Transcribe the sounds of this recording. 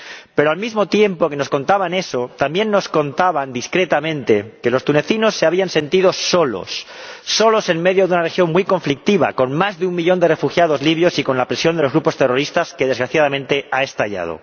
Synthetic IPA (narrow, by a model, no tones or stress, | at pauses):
pe̞ɾoalmizmo̞t̪je̞mpo̞ke̞no̞sko̞nt̪aβane̞so̞t̪ambje̞nːo̞sko̞nt̪aβand̪iskɾe̞t̪amẽ̞nt̪e̞ke̞lo̞st̪une̞θino̞sːe̞aβ̞ianse̞nt̪iðo̞so̞lo̞̰sːo̞lo̞se̞nme̞ðjo̞ðeunarexjo̞ŋmwijko̞ɱflik̚t̪iβa̰ko̞nmazðeumːiʎo̞nd̪e̞re̞fuxjað̞o̞zliβjo̞siko̞nlapɾesjond̪elozɣɾupo̞st̪e̞ro̞ɾist̪aske̞ðe̞zɣɾaθjaðamẽ̞nt̪e̞ʔae̞st̪aʎa̰ð̞o̰